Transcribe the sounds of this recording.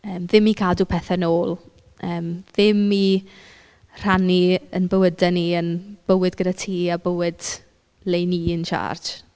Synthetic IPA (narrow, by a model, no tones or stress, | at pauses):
əːmðɪmikʰaːlˠdupʰɛθanoːlˠ | əːmðɪmi | r̥aniənbəwədaniənb̥əwɪdɡədatʰiːabəwɪd̥ | lejniːənt͡ʃa̰ːrd͡ʒ